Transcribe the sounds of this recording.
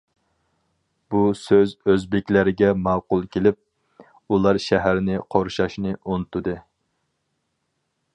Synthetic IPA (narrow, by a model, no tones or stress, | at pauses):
b̥usøzøzbɪkʲlæɾɪɡʲɛmɑwqʊlˠkʲelɪp̚ | ulˠɑɾʃæɦæɾnɪqʰoɾʃɑʃnɨʔonɨt̪ʰud̪ɨ